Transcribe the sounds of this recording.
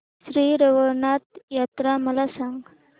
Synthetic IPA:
sɾiːɾɐʋonaːt̪jaːt̪ɾamɐlasaŋɡ

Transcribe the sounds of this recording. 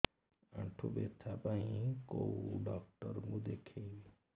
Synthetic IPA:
ã̰ɳʈʰubḛt̪ʰapaĩkowɖɔk̚ʈɔɾmud̪ekʰe

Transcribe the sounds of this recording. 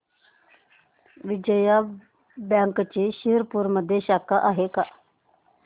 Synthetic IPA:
ʋɪd͡ʒəja | bjãːŋkt͡ʃiːʃiɦɾpuɾməd̪ʱːeʃaːkaʔaːɦeka

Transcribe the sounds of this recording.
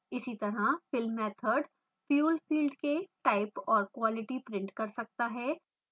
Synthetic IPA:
ɪsit̪ɐɾafɪlmɛːt̪ʰəɾɖ | fjuːlfiːlɖkeʈaːɪpɔːɾkwaːlɪʈipɾɪ̃ɳʈkɐɾsɐk̚t̪aɦɛː

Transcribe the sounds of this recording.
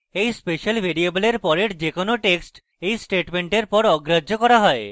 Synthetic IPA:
ejspeʃalbʱeɾieboleɾpɔɾeɾd͡ʑekonoʈeksʈ | ejsʈeʈmeɳʈeɾpɔɾɔɡɾad͡ʑʱokɔɾaɦɔe

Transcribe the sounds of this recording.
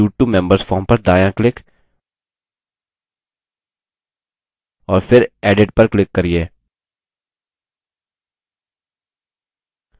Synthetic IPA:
uːʈːumɛ̃mbəɾsfɔːɾmpɐɾd̪aːjãklɪk | ɔːɾfʰɪɾɛːɖeɖ̚pɐɾklɪkːɐɾieː

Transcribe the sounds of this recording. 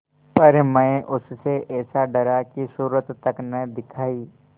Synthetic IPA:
pɐɾmɛ̃eʔʊsseʔɛːsaɖɐɾakisuːɾət̪ːəknəd̪ɪkʰaːiː

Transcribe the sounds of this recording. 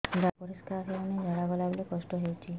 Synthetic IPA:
d͡ʒapɔɾiskaɾɦened͡ʒʱaɽabɔlabelikɔsʈɔɦewt͡ʃʰi

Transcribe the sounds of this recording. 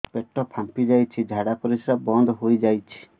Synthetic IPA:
peʈːɔpʰampid͡ʒajt͡ʃʰid͡ʒʱaɽapɔɾisɾabɔnd̪ʱɦojd͡ʒajt͡ʃʰi̥

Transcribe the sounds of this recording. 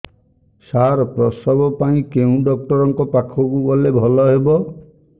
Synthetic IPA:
saɾpɾɔsɔbɔpaĩkeũɖɔk̚ʈɔɾɔŋkɔpakʰɔkubɔlebʱɔlɔɦebɔ

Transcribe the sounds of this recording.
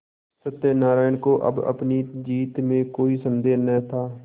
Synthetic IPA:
sət̪ːeːnaːɾaːɪnkoːʔə̰bə̰pniːd͡ʒiːt̪mẽːkoːiːsənd̪eːnɛːt̪ʰaː

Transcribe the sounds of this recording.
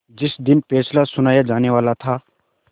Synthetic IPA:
d͡ʒɪsd̪ɪnpeːslasʊnaːjad͡ʒaːneʋaːlat̪ʰa

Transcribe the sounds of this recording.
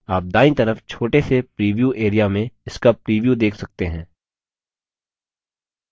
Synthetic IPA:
aːp̚d̪aːɪ̃t̪ɐɾəft͡ʃʰoːʈesepɾiːʋjuːʔeːɾijamẽɪskapɾiːʋjuːd̪eːkʰsɐk̚t̪eɦɛ̃ː

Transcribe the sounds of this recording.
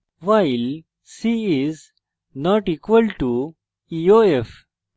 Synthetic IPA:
ʋaɪl | siiz | nɔːʈiːkʋəlʈu | ioef

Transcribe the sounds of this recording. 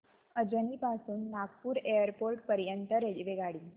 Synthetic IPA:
əd͡ʑənipasuːnːaɡpuːɾejəɾpoɾʈ̚pəɾjənt̪əɾelʋeɡaɽiː

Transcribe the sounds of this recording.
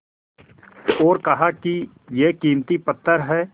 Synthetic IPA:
ɔːɾkɐɦaki | jekiːmt̪ipɐt̪ʰːəɾɦɛː

